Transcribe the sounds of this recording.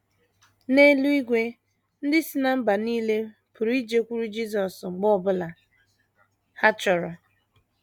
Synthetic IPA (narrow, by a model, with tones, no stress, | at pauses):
ne˦lu˦i˦ɡʷe˦ | n̩˦dɪ˦si˦na˦m̩˦ba˨niː˦le˦ | pʊ˨ɾi˦d͡ʒe˦kʷu˦ɾu˦d͡ʒi˦z̬ɔ˨sŋ͡m̩˨ɡ͡bɔ˦˨bʊ˦la˨ | ha˦t͡ʃɔ˨ɾa˨